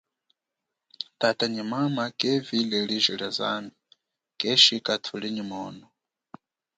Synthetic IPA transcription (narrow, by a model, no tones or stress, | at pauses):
tatʼaɲimamakʼɛvilɛliʒiɺaza̰mi | kʼɛʃikʼatʰuliɲimɔːnɔ